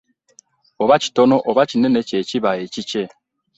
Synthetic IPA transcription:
oβaci̥tonoʔoβacinenececiβajecit͡ʃe

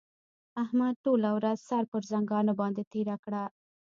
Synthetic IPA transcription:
ahmad̪̚ʈolawɾazsɑɾpəɾzaŋɡɑnabɑnd̪et̪eɾakɽa

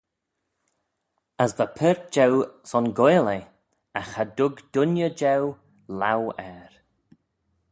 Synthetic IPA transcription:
əsðəpʰɛɹt̚d͡ʒɛwsɔnɡɔjle | axadʊɡd̥ʊnjəd͡ʒɛw | lawɛɾ

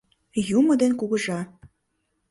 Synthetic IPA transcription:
juməd̪enkuɣə̆ʒɑ

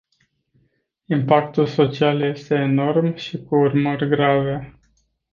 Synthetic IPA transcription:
impakt̪ulso̞t͡ʃialje̞st̪e̞ːno̞rmʃikuurmərʲɡɾave

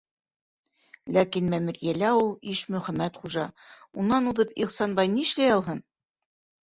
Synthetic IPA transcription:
lækinmæmɘ̆ɾjælæulˠiʃmɵ̆χæmæt̪χuʒɑ | unːɑnuðɤpiqsɑnbɑjnĭʃlæjɑlˠɦɤn

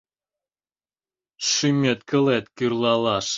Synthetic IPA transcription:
ʃymʲet̪kə̆let̪kyrlɑlɑʃ

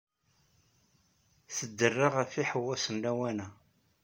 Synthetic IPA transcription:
θəd̪ːərːɪʁæfiħəwːæsəmlæwænæ

